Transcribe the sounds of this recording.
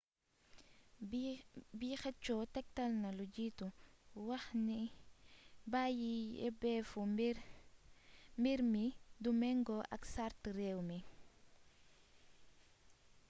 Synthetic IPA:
biːxɛt͡ʃːɔtɛk̚tɐlnɐlud͡ʒituwɐxni | baːjiɛ̰bɛfu | miɾmidumɛŋɡɔʔɐ̰ksaɾtrɛwmi

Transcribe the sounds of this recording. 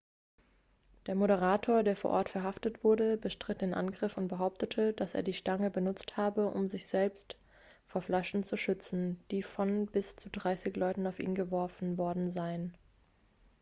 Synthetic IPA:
d̥eːɐmoɾəʁ̞aːtʰoːɐdeːɐfoːɐʔɔɐtfɛɐɦaftətv̥ʊɐɾəbəʃtʁ̥ɪt̚d̥eːnʔa̰nɡʁɪfʊntb̥əɦaʊp̚tətʰəd̥asʔḛːɐdiːʃtaŋəbənʊt͡sthaːbəʔʊ̰mzɪçz̥ɛlpst | foːɐflaʃn̩t͡suʃʏt͡sn̩d̥iːfɔnbɪst͡sudʁaɪsɪçlɔʏtn̩aʊfʔḭːnɡəvɔɐfn̩vɔɐdn̩zaɪən

